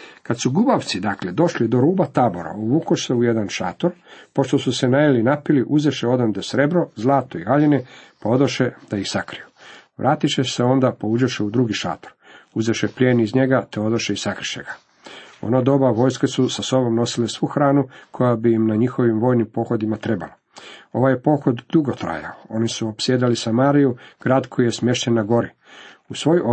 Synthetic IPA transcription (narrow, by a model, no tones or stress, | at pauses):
kad̪suɡubaʋt̪sid̪akled̪o̞ʃlid̪o̞ɾuːbat̪aːboɾa̰oβuːkoʃseujed̪anʃa̰ːt̪oɾpoʃt̪o̞suse̞najalinapiliʔuzeʃeo̞d̪amd̪esɾe̞bɾo̞zlˠaːt̪oiɣaʎinepao̞d̪oʃed̪aixsakɾijuʋɾʔaːt̪iʃeseo̞nd̪apoud͡ʒaʃeud̪ɾuɡiʃa̰ːt̪oɾuzeʃepʎʲjeːnizɲe̞ɡat̪eo̞d̪oʃeisakɾi̥ʃeɡa | o̰nod̪o̞baʋo̞ːjskesusaso̞bo̞mno̞silesʋuxɾaːnukʰo̞jabiimnaɲixo̞ʋimʋo̞ːjnimpo̞ːxo̞d̪imat̪ɾe̞ba̰lo | o̞ʋajepo̞ːxo̞d̪d̪uɡot̪ɾa̰ja̰oo̞nisuopsjed̪alisamaːɾijuɡ̥ɾaːd̪kʰo̞jijesmje̞ʃɲenːaɡo̞ɾi | usʋo̞jo